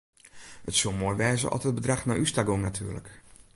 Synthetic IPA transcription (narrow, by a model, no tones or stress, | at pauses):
ətsumoːjʋɛːzə̰ʔɔ̰təd̚bədraxnaʔystaɡoŋnatʰy̰ːlə̰k